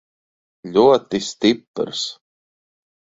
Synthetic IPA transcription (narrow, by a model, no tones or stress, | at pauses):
lʲuɔt̪ist̪ipɾs